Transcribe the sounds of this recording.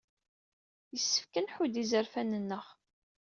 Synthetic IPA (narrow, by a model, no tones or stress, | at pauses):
jəsːə̥fkənħud̪izəɾfænənːəʁ